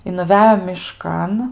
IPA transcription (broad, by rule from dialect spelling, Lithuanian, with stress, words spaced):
ɪ nʊˈʋʲæːjoː mʲɪˈʃkɐn